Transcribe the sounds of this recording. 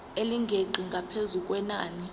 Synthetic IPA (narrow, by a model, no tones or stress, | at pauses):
eliŋɡʱeǃʱiŋɡʱapʰezuk̬ʼwɛnaːni